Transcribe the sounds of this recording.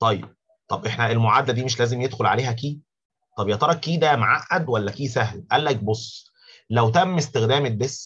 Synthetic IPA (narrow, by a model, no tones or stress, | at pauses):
t̪ˤɑjːḛb̥̚ | t̪ˤɑbʔeħnæelmoʕaːd̪ælæd̪iːmeʃlæːzemjed̪xolʕaleːhæk̬iː | t̪ˤɑbjɑt̪ɑɾˤɑkːiːd̪æmaʕaʔːæd̪wælːækiːsæhlʔælːæk̚bosˤː | læwt̪æmːest̪exd̪æːmebesː